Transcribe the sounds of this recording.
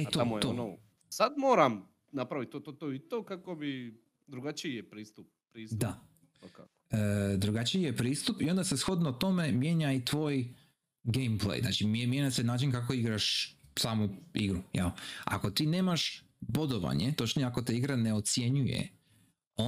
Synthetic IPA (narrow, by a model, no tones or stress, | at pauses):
et̪omojt̪ono | sad̪moːɾam | napɾaʋit̪̚ʲːot̪ot̪oːit̪oːkakobi | d̪ɾuɡat͡ʃiijepɾiːst̪up̚ | pɾiːsd̪a | ḁ | əd̪ɾuɡat͡ʃijjepɾiːst̪upio̞nd̪ase̞sxo̞d̪not̪o̞me̞mje̞ɲait̪ʋoːj | ɡejmplˠḛjzna̰ːt͡ʃimmjeɲasenaːt͡ʃinkako̞iɡɾaʃsaːmuiɡɾujɛla̰ko̞t̪iːne̞ːmaʃ | bod̪oʋa̰ɲet̪ot͡ʃniako̞t̪eiɡɾane̞o̞t̪sje̞ɲujḛ | o